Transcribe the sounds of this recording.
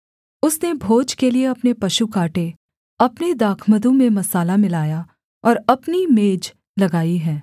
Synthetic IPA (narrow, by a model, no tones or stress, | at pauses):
ʊsnebʱoːd͡ʒkelieɐpnepɐʃukaːʈe | ɐpned̪aːkʰməd̪õmẽmɐsaːlamɪlaːja | ɔːɾɐpnimeːd͡ʒ | lɐɡaːiɦɛː